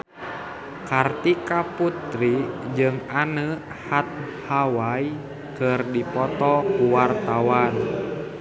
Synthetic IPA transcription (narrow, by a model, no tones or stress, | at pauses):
kart̪ikaput̪ɾid͡ʒɨŋanə | hat̪̚hawai | kɨrdipɔt̪ɔkuwart̪awan